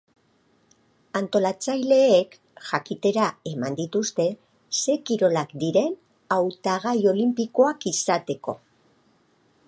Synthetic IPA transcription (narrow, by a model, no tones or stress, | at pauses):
ant̪o̞lat͡sajle̞ːk | ʝakit̪e̞ɾae̞mand̪it̪ust̪e̞ | se̞kiɾo̞lakd̪iɾe̞n | awt̪aɣ̞ajo̞limpiko̞akisat̪e̞ko̞